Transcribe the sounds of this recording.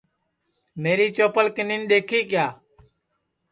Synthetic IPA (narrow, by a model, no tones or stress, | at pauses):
meːɾiːt͡ʃoːpəlkɪniːnɗ̪eːkʰiːkɪjaː